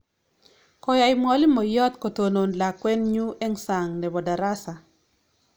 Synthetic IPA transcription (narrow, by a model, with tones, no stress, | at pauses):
kɔ˨˦ja˨jmɔ˦li˦mɔ˨jɔ˦t̪ko˨to˨no˨nla˨kwɛ˦nɲu˦ʔe˦ŋsa˨ŋnɛ˨bɔ˨da˨ɾa˦sa˨